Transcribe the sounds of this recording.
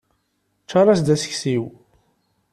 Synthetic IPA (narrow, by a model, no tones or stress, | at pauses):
t͡ʃːɑɾˤrˤɑsd̪æsə̥çsiw